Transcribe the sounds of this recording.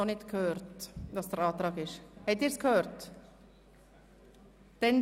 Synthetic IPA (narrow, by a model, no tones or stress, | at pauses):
ɔnɪt̪kʰøːɾt̪d̪ɑsd̪ɛɾɑːt̪ɾɑːɡɪʃhɛt̪ːɪːɾskhøːɾt̪ | d̪̥ɛn